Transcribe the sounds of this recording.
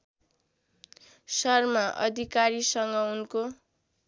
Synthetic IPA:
sʌrmaʔʌ̰d̪ʱikaɾisʌŋɡʌunko

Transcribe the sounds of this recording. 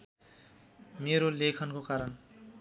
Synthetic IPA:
meɾolekʰʌnkokaɾʌn

